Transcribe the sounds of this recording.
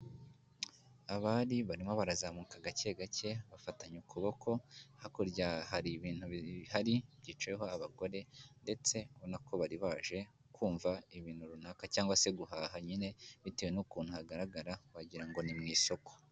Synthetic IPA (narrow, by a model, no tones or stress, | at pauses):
aβaːdiβaɾimo̞βaɾazaːmuːkaɡace̞ɡace̞βafataɲukuβo̞kʰo̞hakoɾɟahaɾiβiːn̥huβhaɾibɟiːt͡ʃeɦo̞aβaɡo̞ɾe̞nde̞t͡se̞βonakʰo̞βaɾiβaʒe̞ | kʰuːɱvaiβiːn̥huɾunakacaːŋɡwase̞ɡuɦaːɦaɲine̞βitewenukuːn̥uhaɡaɾaɡaɾawaɟiɾaŋɡo̞nimŋiːsoko